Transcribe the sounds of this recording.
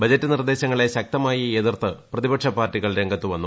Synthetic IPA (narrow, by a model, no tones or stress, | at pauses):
bɐd͡ʑɐtːɨnird̪e̞ːɕɐŋːɐɭe̞ɕɐk̚t̪ɐmaːjɐeðirt̪ʰːɨprɐðibɐkʂɐpaːrtːiɣɐɭɾe̞ŋɡɐt̪ːuʋɐnːu